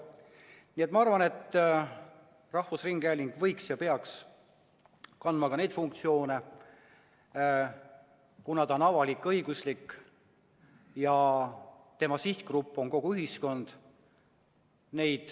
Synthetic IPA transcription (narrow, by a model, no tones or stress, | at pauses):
niːe̞t̪mɑɑrvɑne̞t̪ː | rɑhfusriŋɡ̥ælʲiŋɡ̥vɤ̞jksjɑpe̞ɑks | kɑnd̪mɑɡ̥ɑne̞jd̪̥fuŋk̚t̪sio̞ːne̞ | kunɑd̪o̞nɑvɑlikːˑɤiɡ̥uslikː | jɑ | t̪e̞mɑsiht̪̚krupːˑo̞nko̞ɡ̥uyɦisko̞nd̪̥ | ne̞jd̪̥